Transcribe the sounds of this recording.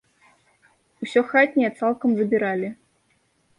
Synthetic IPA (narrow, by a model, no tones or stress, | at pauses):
usʲɔxat̪ʲnʲɛɛt̪salˠkɐmzɐbʲiɾalʲi